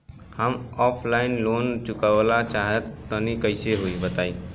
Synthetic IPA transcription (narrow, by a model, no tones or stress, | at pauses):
həmɔpʰlainlont͡ʃukəʋlat͡ʃaɦet̪ːənikəɪseɦoibət̪ai